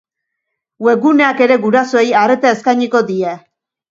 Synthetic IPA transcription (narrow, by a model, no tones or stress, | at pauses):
we̞ɣune̞ake̞ɾe̞ɡuɾasoejare̞t̪aeskajɲiko̞d̪ie